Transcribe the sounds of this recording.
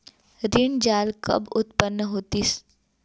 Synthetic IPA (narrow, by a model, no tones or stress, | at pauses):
ɾɪɳd͡ʒaːlkɐ̰bʊt̪pənːəɦoːt̪is